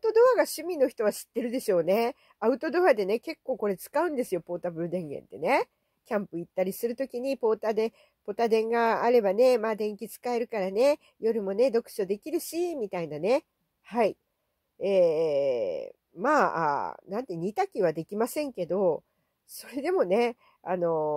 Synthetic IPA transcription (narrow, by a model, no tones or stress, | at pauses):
t̪o̞d̪o̞βaɡaɕɨmʲĩno̞çi̥t̪o̞βaɕi̥t̪ːe̞ɾɯ̟d̪e̞ɕo̞ːne̞ | aɯ̟t̪o̞d̪o̞βad̪e̞ne̞ke̞kːo̞ːko̞ɾe̞t͡sɨ̥kaɯ̟̃nd̪e̞sɨjo̞po̞ːt̪abɯ̟ɾɯd̪ẽ̞ŋɡẽ̞̰nt̪e̞ne̞ | kʲãmpɯ̟it̪ːaɾʲisɨɾɯ̟t̪o̞kʲiɲ̟ipo̞ːt̪ad̪e̞ | po̞t̪ad̪ẽ̞ŋɡaːɾe̞bane̞maːd̪ẽ̞ŋkʲit͡sɨ̥kae̞ɾɯ̟kaɾane̞ | jo̞ɾɯ̟mo̞ne̞d̪o̞kɯ̟̥ɕo̞d̪e̞kʲiɾɯ̟ɕimʲit̪ainane̞ | hai | e | maːa̰nãnt̪eɲ̟it̪akʲiβ̞ad̪e̞kʲimasẽ̞ŋke̞d̪o̞ | so̞ɾe̞d̪e̞mo̞ne̞ | ano̞